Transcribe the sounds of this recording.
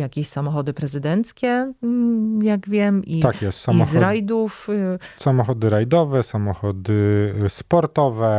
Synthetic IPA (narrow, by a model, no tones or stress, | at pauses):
jakʲeɕsamɔxɔd̪ɘpɾɛzɘd̪ɛnt̪skʲɛ | jaɡvʲjɛmit̪akjɛst̪saimɔzɾajd̪ufsamɔxɔd̪ɘɾajd̪ɔvɛsamɔxɔd̪ɘspɔɾt̪ɔvɛ